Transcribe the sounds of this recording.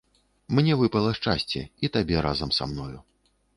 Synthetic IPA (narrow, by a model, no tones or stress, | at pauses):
mnʲɛvɨpɐlˠɐʂt͡ʂasʲt͡sʲɛ̰it̪abʲɛɾazɐmsa̰mnɔju